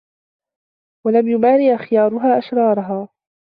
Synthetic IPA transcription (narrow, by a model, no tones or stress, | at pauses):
walamjʊmaːɾɪʔaxɪjɑːɾˤʊɦaːʔaʃɾˤɑːɾˤɑɦaː